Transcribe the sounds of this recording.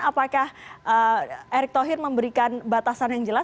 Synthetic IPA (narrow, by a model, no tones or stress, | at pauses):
apakahʔəʔeɾɪk̚t̪ɔɦɪrməmbəɾikanbat̪asanjaŋd͡ʒəla